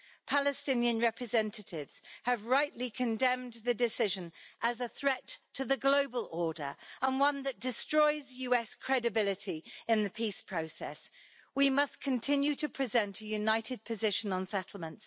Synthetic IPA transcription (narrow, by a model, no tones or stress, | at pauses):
pʰalɨstɪ̃njə̃nɹɛpʰɹɨzɛ̃ntʰətʰɪvz̥əvɹaɪʔlikʰə̃ndɛ̃mðədɪsɪʒə̃nʔəzəθɹɛtʰəðəɡloʊbəlʔɔːdə̰˞ə̃nwʌ̃nðəʔ̚d̥ɪstɹ̥ɔɪzjʉːɛskʰɹ̥ɛdɨbɪlɪtʰiɪ̃nðəpʰiˑspʰɹ̥əʊsɛ̰s | wimʌskʰə̃ntʰɪ̃njʉtʰəpʰɹ̥ɪzɛ̃ntʰəjʉnaɪtʰɪd̚pʰəzɪʃə̃nə̃nsɛtʰˡl̩ˠmə̃nts